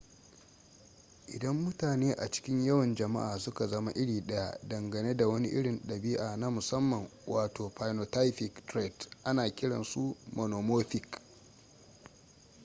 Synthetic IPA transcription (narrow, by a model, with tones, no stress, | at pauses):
ʔɪ˨dɐ˦mːʊ˦taː˨neː˦ʔa̰˨t͡ʃɪ̥˦kʲɪ˦ɲjɐ˦wɐ˨nd͡ʒɐ˨ma̰˦ʔaː˨sʊ˦ka˨zɐ˦ma˦˨ʔɪ˦ɽiː˨ɗɐ˦ja̰˦dɐ˨ŋɡɐ˨neː˦da˨wɐ˦ni˦ʔɪ˦ɽɪ˨nɗɐ˨biː˦ʔa˨na˦mʊ˨sɐ˦mːɐ˨ŋwʔaː˨toː˨ɸa˨jno˨ta˦jɸɪ˨ktɾɛ˦˨dʔa˦naː˨kʲɪ˦ɽɐ̰˨nsu˦mʔo˨noː˨moː˦ɸɪ˨k